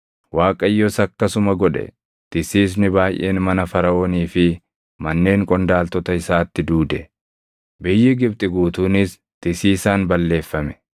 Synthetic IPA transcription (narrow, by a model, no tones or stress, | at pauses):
waːkʼɐjːɔsɐkːɐsʊmɐɡɔᶑɛ̰ | t̪ɪsiːs̬nɪbaːjʔe̞ːnmɐnɐfɐɾɐoːniːfɪ | mɐnːe̞ːŋkʼɔnd̪aːlt̪ɔt̪ɐɪsaːt̪ːɪd̪uːd̪ɛ | bɪjːɪɡɪb̚t̪ʼɪɡuːt̪uːnɪs | t̪ɪsiːsaːnbɐlːe̞ːfːɐmɛ̥